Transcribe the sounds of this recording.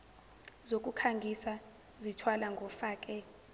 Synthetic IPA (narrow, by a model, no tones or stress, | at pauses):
zok̬ʼukʰaŋɡʱisa | zitʰwalaŋɡʱɔfaːk̬ʼɛ